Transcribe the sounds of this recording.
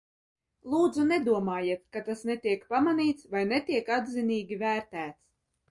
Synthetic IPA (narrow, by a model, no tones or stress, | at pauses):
lˠuːd̪zunɛd̪uɔmaːjit̪kat̪asnɛt̪iɛkpamaniːt̪svajnɛt̪iɛkad̪ziniːɡʲivæːɾt̪æːt̪s